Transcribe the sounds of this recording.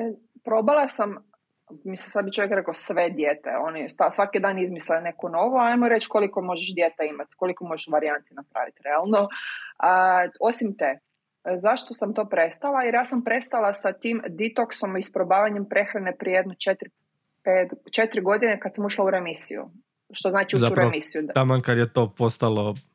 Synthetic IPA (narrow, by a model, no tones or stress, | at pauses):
pɾo̞balˠasam | misesad̪bit͡ʃojekɾekasʋed̪jeːt̪ḛo̞nist̪asʋakid̪aːnizmislene̞ko̞no̞ʋoaajmoɾe̞t͡ʃkolikomo̞ʒeʃd̪jet̪eimat̪ko̞likomo̞ʒeʃʋaɾiant̪inapɾa̰ːʋḭt̪ɾealˠnoəo̞simt̪e | zaʃt̪osamt̪o̞ːpɾest̪alˠaiɾjaːsampɾe̞st̪alˠasat̪iːmd̪it̪okso̞mispɾobaːʋaɲempɾe̞xɾanepɾijejed̪nut͡ʃet̪ɾi | peːt̪t͡ʃe̞t̪ɾiɡo̞d̪inekad̪samuʃlˠauɾemisḭjṵ | ʃt̪oznaːt͡ʃiuzuɾemisijuamankad̪jet̪opost̪alˠo